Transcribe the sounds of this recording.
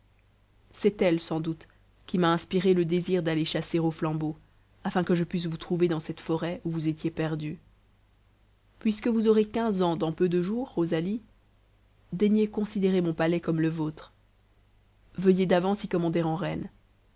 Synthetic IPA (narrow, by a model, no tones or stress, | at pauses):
sɛt̪ɛlsɑ̃d̪ut̪ | kʲimaɛ̃spiʁeləd̪eziʁd̪aleʃaseʁoflɑ̃bo | afɛ̃kəʒəpɥis̬vut̪χuved̪ɑ̃sɛt̪fɔʁɛuvuzet̪jepɛʁd̪y | pɥiskəvuzɔʁekɛ̃zɑ̃d̪ɑ̃pød̪əʒuːʁozali | d̪ɛɲjekɔ̃sid̪eʁemɔ̃palɛkɔmləvot̪χ | vəjed̪avɑ̃sikɔmɑ̃d̪ɛʁɑ̃ʁɛn